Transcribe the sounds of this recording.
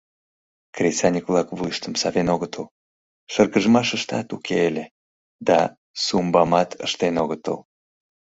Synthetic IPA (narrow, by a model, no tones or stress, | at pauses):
krʲet͡sɑnʲikvlɑkβujəʃt̪əmsɑvenoɣət̪əl | ʃərɣəʒmɑʃəʃt̪ɑt̪ukʰeele | d̪ɑ | sumbɑmɑt̪ə̰ʃt̪enoɣət̪ə̰l